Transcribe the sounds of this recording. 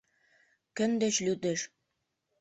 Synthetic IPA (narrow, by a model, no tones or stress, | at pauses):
kə̆nd̪ĕt͡ɕlyd̪eʃ